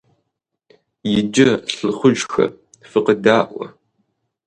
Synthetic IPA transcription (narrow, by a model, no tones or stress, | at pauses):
jɪd͡ʒɪɬɨχʷʊʒxɐ̰ | fɨqədaːʔʷɔ̰